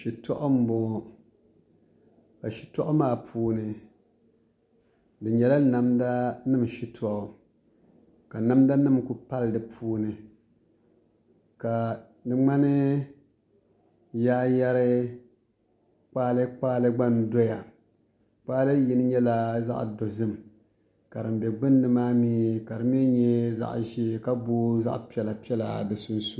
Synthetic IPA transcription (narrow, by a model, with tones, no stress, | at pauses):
ʃi˨tɔ˦ʔʊ˦m̩˦bɔ˨ŋɔ˨ | ka˨ʃi̥˨tɔ˦ʔʊ˦maː˦˨pʰuː˦nɨ˨ | dɨ˨ɲɛ˨la˦na˨mda˦nɨ˦mʃi˦tʰɔ˨ʔɔ˨ | ka˨na˦mda˦nɨ˦mku˨pa˦lɨ˨dɨ˨pʰuː˦nɨ˨ | ka˨ | dɨ˦ŋ͡ma˦nɨ˦ | jaː˦ja˦ɾɪ˦ | k͡paː˦lɨ˦k͡paː˦lɨ˦ɡ͡ba˦n˨do˦ja˨ | k͡paː˦lɨ˦ji˨nɨ˦ɲɛ˦la˨za̰˦ʔdo˨zɨ˦m | ka˨ɾɨ˨m˨bɛ˨ɡ͡bɨ˦n˦dɨ˨maː˦miː˦ka˨ɾɨ˨m˦ɛ˦ɲɛ˦za̰˦ʔʒi˦˨ka˦boː˦za̰˦ʔpi˦ɛ˨la˨pi˦ɛ˦la̰˨bɛ˨su˦nsu˦